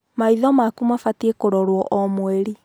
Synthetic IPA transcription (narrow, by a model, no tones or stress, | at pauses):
maiðɔmakumafatiekoɾɔɾwɔʔɔmweɾi